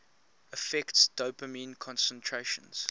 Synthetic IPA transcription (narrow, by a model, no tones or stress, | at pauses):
əfɛktsd̥oʊpəmĩːnkʰɔ̃nsə̃ntʰɹeʃə̃nz̥